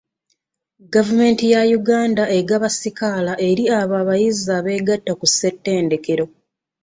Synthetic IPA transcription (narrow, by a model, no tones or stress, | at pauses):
ɡavume̞ːntijajuɡaːndae̞ɡaβasikalaʔe̞ɾiaβaːβajizaːβe̞ːɡatːakusːe̞tːe̞ːnde̞ke̞ɾo̞